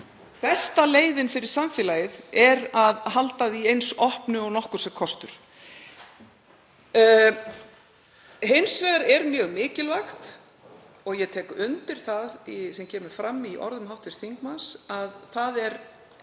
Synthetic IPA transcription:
pɛst̪aleːjðɪnfɪɾɪɾ̥saɱfjɪlajɪðɛɾaðɦalt̪aðiejnsɔhpnʏɔɣnɔhkʏɾ̥sɛkʰɔst̪ʏɾ̥ | hɪjnsvɛːɣaɾɛɾmjœːɣmɪːcɪlvaxt̪ | ɔɣjɛt̪ʰɛːkʏnt̪ɪɾ̥θaðisɛmcʰɛːmʏɾ̥fɾamːiʔɔ̰ɾðʏmɦawht̪vɪst̪θiŋkmansaðθaðɛɾ

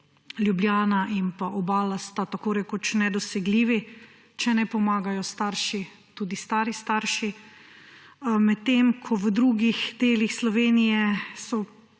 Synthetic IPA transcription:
lʲjubljaːnaʔimpaʔɔbaːlast̪at̪akoːɾɛkot͡ʃnɛd̪ɔsɛɡliːʋi | t͡ʃɛnɛpɔmaːɡajɔst̪aːɾʃi | t̪uːd̪ist̪aːɾist̪aɾʃi | mɛt̪ːeːmkʰɔʋəd̪ɾuːɡixd̪eːlixslɔʋeːnijɛsɔ

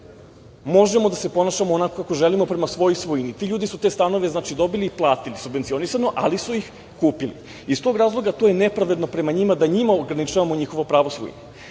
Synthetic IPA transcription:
mo̞ʒe̞mo̞d̪ase̞po̞naːʃamoːnako̞kakoʒe̞limo̞pɾe̞masʋo̞jojsʋojinit̪iʎuːd̪isut̪e̞st̪ano̞ʋe̞znaːt͡ʃid̪o̞biliplˠaːt̪ilisubʋent̪sio̞nisano̞ʔalisuix | kuːpilḭ | ist̪o̞ɡɾaːzlˠo̞ɡat̪oje̞ne̞pɾaʋe̞d̪no̞pɾe̞maɲimad̪aɲimaoɡɾanit͡ʃaːʋamo̞ɲixo̞ʋopɾaːʋosʋo̰j̰ni

